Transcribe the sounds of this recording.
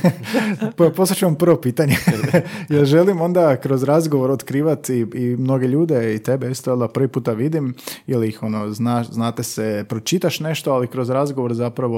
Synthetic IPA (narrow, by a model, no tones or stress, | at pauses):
ppo̞sat͡ʃuʋampɾ̩ʋo̞piːt̪aɲejelʒe̞limo̞nd̪akɾo̞zɾazɡoʋo̞ɾot̪kɾiːʋat̪iimno̞ɡeʎuːd̪e̞it̪ebeist̪oolˠd̪apɾʋipuːt̪aʋid̪imiliixo̞no̞znaʃznaːt̪esepɾo̞t͡ʃit̪aʃne̞ʃt̪oalikɾo̞zɾazɡoʋo̞ɾzapɾaʋo̞